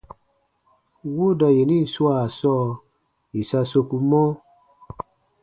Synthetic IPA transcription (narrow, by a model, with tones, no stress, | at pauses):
wo˦da˨je˨nĩ˦˨swa˨sɔ˦˨ | i˨sa˧so˧ku˧mɔ̃˦